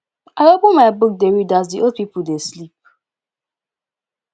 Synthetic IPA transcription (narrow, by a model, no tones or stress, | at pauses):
aɾoɡ͡bomaɪbʊk̚deɹidazdiʔod̚pip̩deslip̚